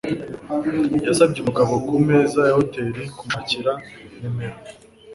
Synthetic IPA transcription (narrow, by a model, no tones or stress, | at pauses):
jasabɟumuɡaβo̞kumeːzajahoteɾikumaciɾanemeɾo